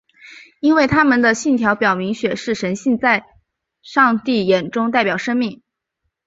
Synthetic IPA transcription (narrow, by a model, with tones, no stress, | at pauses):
i˥nwe˥˩ɪt̪ʰa˥mə˨nd̪ə˩ɕi˥˩nt̪ʰjɑ˧˥ʊpjɑ˨˩ʊmi˧˥ŋɕɥɛ˨˩ʂɻ̩˥˩ʂə˧˥nɕi˥˧nt͡sa˥˧ɪ | ʂɑ˥˧ŋt̪i˥˩jɛ˨˩nʈ͡ʂʊ˥ŋt̪a˥˩ɪpjɑ˨˩ʊʂɤ˥ŋmi˥˩ŋ